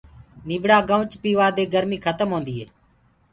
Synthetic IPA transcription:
niːbɽaːɡəʋt͡ʃpiːʋaːd̪eːɡəɾmiːkʰət̪əmɦõːnd̪iːɦḛː

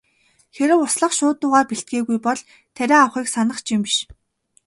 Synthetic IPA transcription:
xeɾɘ̆wʊsɮə̆χʃʊːt̪ʊːʁaːpiɬt̪̚ɡeːɣujpɔɮ | t̪ʰːæɾʲaːawχiːksanə̆χt͡ɕʰimpi̥ʃ

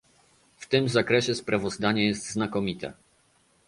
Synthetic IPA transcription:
ft̪ɘmzakɾɛɕɛspɾʔavɔzd̪aɲɛjɛst̪znakɔmʲit̪ɛ̰

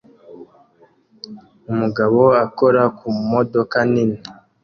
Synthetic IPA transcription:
umuɡaβo̞ako̞ɾakʰumodo̞kanini

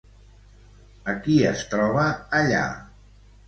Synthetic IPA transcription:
əkiəst̪ɾɔβəːʎa̰

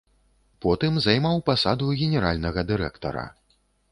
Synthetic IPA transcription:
pɔt̪ɨmzajmawpasad̪uɣʲɛnʲɛɾalʲnɐɣɐd̪ɨɾɛkt̪ɐ̰ɾɐ̰

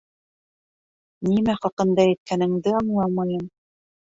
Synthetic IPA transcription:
nimæχɑqɤ̆nd̪ɑæ̆t̪̚kænɘ̆ŋd̪ɘɑɴlˠɑmɑjɤm

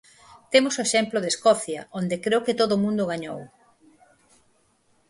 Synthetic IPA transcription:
t̪emʊsoeʃɛmplʊðeskɔθjɐ̰ond̪ekɾewkɪt̪oðomũnd̪ʊɣ̞aɲo̰w

